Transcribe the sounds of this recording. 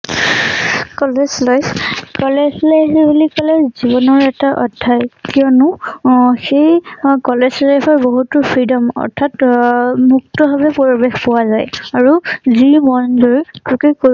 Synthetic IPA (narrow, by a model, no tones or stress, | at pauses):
kɔlezlɔjkɔlɛzlɔjɦibulikɔlɛzzibɔnɔɹɛtaʔɔdʰʱːajkijɔnʊ | xejkɔlesɹɔjpɔɹboɦutʊpʰɹidɔmɔ̰ɹtʰatmuk̚tɔbʱabɛpoɹibexpɔwazajaɹuzimɔnzoɹkɹukeko